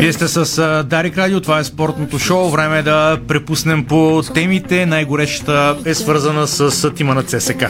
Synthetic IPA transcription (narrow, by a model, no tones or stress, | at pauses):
viɛst̪ɛsəsd̪aɾikɾad̪iot̪ovaɛspɔɾt̪not̪oʃɔʊvɾɛmɛd̪ɐpɾɛpusnɛmpot̪ɛmit̪ɛnajɡoɾɛʃə̥t̪əɛsvɤɾzənəsəst̪imənət̪sɛsɛkə